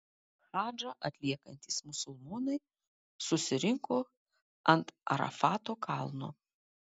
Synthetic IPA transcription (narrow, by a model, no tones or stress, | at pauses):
ʒɑːd͡ʒɐʔɐt̪ʲlʲiɛkɐnʲt̪ʲiˑsmʊsʊlˠmoːnɐɪ | sʊsʲɪɾʲɪŋkoː | ɐnt̪ɐ̰ɾɐ̰fɑːt̪oːkʰɑlˠno̰ː